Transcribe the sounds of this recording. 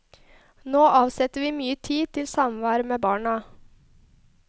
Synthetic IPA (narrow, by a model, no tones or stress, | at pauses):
noːʔɑːʋsɛt̪əʋiːmyːət̪ʰiːt̪ʰɪlsɑmʋæːɾəmeːbɑːɳɑ